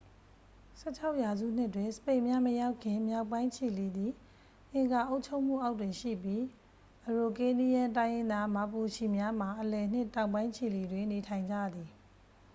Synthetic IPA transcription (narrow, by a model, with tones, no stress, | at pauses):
sɛ˦˨t͡ɕʰa˦ʊʔja˨zṵ˦˨n̥ɪ˦twɪ̃˨sə̥pẽ˦˨ɪ̃mja˦məja˦ʊkʰːɪ̃˨mja˦˨ʊpːã˦ɪ̃t͡ɕʰi˨li˨d̪i˨ | ʔɪ̃˨ŋɡa˨ʔo˦ʊʔt͡ɕʰo˦ʊʔm̥ṵ˦˨ʔa˦ʊtwɪ̃˨ʃḭ˦˨pji˦ | ʔəɹo˨ke˦ni˦jã˦t̬ã˦ɪ̃jɪ̃˦nd̪a˦ma˨pu˨ʃi˨mja˦m̥a˨ʔəlɛ˨n̥ɪ˦˨tã˨ʊ̃mbã˦ɪ̃t͡ɕʰi˨li˨dwɪ̃˨ne˨tʰã˨ɪ̃ɲd͡ʑa̰˦˨d̪i˨